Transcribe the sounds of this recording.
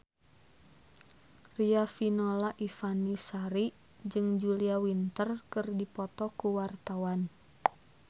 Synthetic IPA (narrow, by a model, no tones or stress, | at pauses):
riafinɔlaʔifanisaɾi | d͡ʒɨŋd͡ʒuliawint̪ərkɨrdipɔt̪ɔkuwart̪awan